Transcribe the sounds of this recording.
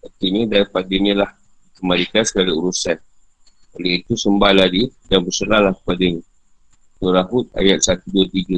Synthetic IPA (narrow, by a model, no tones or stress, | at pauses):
ərt̪iɲə̃daipadəɲə̃lah | kəmalik̪ansəkaliuɾusan | oləit̪usəmbaladidanbəsəlalahkə̥padə | nuɾaɦut̪̚a̰jat̪̚sat̪uduət̪iɡə